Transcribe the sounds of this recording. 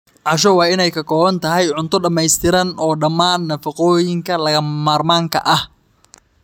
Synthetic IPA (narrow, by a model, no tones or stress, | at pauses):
ʕɑʃ̬ɔwɑːɪnɛjkʰɐkʰɔːβɐnt̪ʰɐɦɛjʕʊnt̪ʰʊɖɐmɛjst̪ʰɪɾɐnɔːɖɐmaːnːɐfɐqɔːjɪŋkʰɐlɐɣɐmaːrmaːŋkʰɐ̰ʔɐh